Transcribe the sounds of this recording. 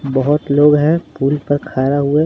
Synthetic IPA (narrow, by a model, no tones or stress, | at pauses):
bəɦʊt̪loːɡɦɛ̃puːlpɐɾkʰaːɾaɦʊe